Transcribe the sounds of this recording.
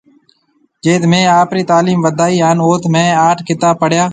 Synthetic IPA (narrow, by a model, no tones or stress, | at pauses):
d͡ʒeːt̪mẽːaːpɾiːt̪aːliːmʋəd̪ʱaːiːɦaːnoːt̪mẽːaːʈʰkʰɪt̪aːpəɽjaː